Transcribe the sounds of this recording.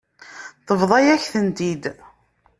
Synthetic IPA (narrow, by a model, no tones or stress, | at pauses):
t̪əvðˤɑjæçθənt̪id̪